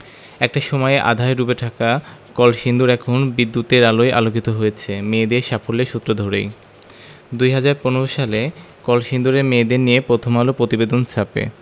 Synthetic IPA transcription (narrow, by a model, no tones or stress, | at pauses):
ɛk̚ʈaʃɔmɔeeʔa̰d̪ʱaeɾubeʈʰakakɔlʃind̪uɾɛkʰonbid̪ːut̪eɾaloeʔa̰lokit̪oɦojet͡ɕʰemeːd̪eɾʃafoleʃut̪ːɾod̪ʱoɾej | d̪ujɦad͡ʑaɾponoɾoʃale | kɔlʃind̪uɾemed̪eɾnijepɾot̪ʰomalopɾot̪ibed̪ont͡ɕʰapḛ